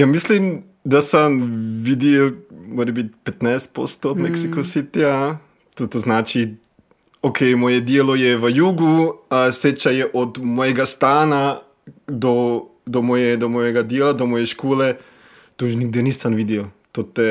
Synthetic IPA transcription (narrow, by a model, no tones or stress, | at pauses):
jamislim | d̪asamʋid̪ɛlmoːɾɛbit̪̚ʲpɛt̪najst̪̚po̰st̪od̪mɛksikosit̪ia | t̪ot̪oznaːt͡ʃi | okʰejmoːjɛd̪jeːlɔjɛʋəjuːɡuset͡ʃajɛʔɔd̪mɔːjɛɡast̪aːna | d̪ɔd̪omɔːjɛd̪ɔmɔːjɛɡad̪jeːlad̪ɔmɔːjɛʃkoːlɛ | t̪oʒniɡ̚d̪enisanʋid̪jɛlt̪ot̪ɛ